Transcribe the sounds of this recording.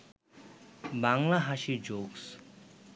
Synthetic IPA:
baŋlaɦaɕid͡ʑoks

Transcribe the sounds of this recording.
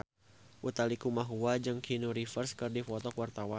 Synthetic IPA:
ʔut̪alikumaɦuad͡ʒəŋkʰinuɾifərskɨrdifɔt̪ɔkwart̪awa

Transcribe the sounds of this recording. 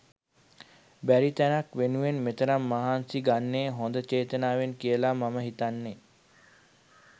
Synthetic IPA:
bæɾit̪ænakʋenuʋenmet̪əɾamːaɦaːnsiɡanːeːɦond̪ət͡ʃeːt̪ənaːʋenkijəlamaməɦit̪anːe

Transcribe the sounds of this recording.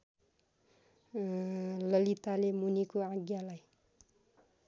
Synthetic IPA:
lʌlit̪alemunikoaɡjalaj

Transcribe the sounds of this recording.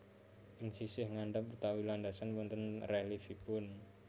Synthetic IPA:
ʔɪŋsisɪhŋaɳɖəput̪awilandasanwɔnt̪ənrɛlifipʊn

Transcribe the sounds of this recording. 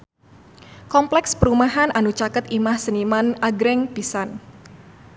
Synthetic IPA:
kɔmplɛkspəɾumaɦanʔanut͡ʃakət̪imahsənimanʔaɡɾɛŋpisan

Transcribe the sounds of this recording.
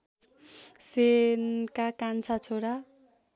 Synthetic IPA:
senkakant͡sʰat͡sʰoɾa

